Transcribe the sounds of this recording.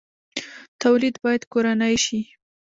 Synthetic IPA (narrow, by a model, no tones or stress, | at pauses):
t̪awlid̪bɑjad̪koɾanəjʃi